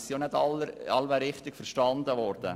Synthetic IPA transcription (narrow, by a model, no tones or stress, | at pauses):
sijonɛdɑləɑlʋæɾɪχt̪ɪɡ̥fəɾʃtɑnd̪əʋɔɾd̥̪ə